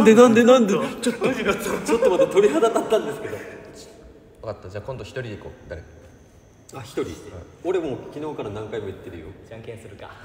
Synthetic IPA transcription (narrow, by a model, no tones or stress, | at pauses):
nd̪enãnd̪e̞nãnd̪et͡ɕot̪ːiat͡ɕo̞t̪ːo̞mat̪at̪o̞ɾʲiɦad̪at̪at̪ːãnd̪e̞sɨ̥ke̞d̪o̞̥ | jakat̪ːad͡ʑaːkõ̞nd̪o̞çʲi̥t̪o̞ɾʲiiko̰ːd̪aɾe | açi̥t̪o̞ɾʲḭ | o̞ɾe̞moːkʲino̞ːkaɾanãŋkaimo̞jat̪ːeɾɯjo̞̰ãŋkẽsɨɾɯ̟ka̰